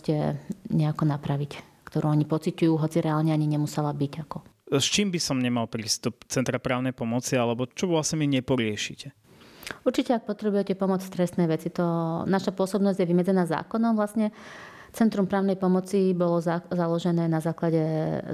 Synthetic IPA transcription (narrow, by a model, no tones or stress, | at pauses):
cɛ̰ɲɛakɔnapɾaʋic | kt̪ɔɾuːɔɲipɔt͡sicujuːɦɔt͡siɾʔɛaːlɲɛaɲiɲɛmusɛlabiɟakɔ | st͡ʃiːmbisɔmɲɛmalpɾiːst̪up̚t͡sɛnt̪ɾapɾaːʊnɛjpɔmɔt͡sialɛbɔt͡ʃɔʋlasɛmiɲɛpɔɾɪɛʃḭcɛ | uɾt͡ʃicɛak̚pɔt̪ɾɛbujɛcɛpɔmɔt͡st̪ɾɛst̪nɛːʋɛt͡sit̪ɔnaʃapʊɔsɔbnɔzɟjɛʋimɛd͡zɛnaːza̰ːkɔnɔmʋlasɲɛ | t͡sɛnt̪ɾumpɾaːʊnɛjpɔmɔt͡sibɔlɔazalɔʒɛnɛːnazaːklaɟɛ